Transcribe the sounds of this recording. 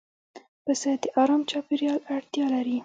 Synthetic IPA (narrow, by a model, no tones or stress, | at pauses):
pəsad̪əʔɑɾɑmt͡ʃɑpeɾjɑlaɽt̪jɑlaɾi